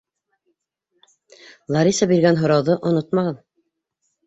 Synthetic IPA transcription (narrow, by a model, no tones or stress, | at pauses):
lˠɑɾisɑbiɾɡænɦŏɾɑwðɤʔŏnot̪mɑʁɑn